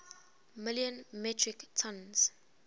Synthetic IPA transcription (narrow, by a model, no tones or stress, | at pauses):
mɪljə̃nmɛtʰɹiktʰɔ̃nz̥